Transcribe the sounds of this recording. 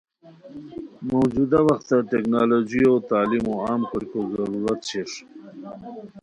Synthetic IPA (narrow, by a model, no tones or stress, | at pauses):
mowd͡ʒud̪awaxt̪aʈeknɑːlod͡ʒiot̪aːlimoɑːmkəɾkozɐɾuɾat̪ɕeʂ